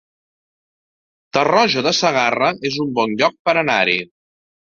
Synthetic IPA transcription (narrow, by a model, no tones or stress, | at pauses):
t̪ərɔʒoðəsəɣ̞arəʔezumbɔnʎɔk̚pəɾənaɾi